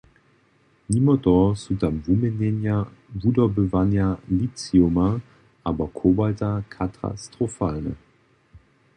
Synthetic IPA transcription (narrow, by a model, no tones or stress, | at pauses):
nimɔtɔsutamvumɛnɛnjavudɔbəvanjalit͡siuma | ʔabɔkʰoːbaltakʰatʰa̰stʁ̥ofaːlnɛ̰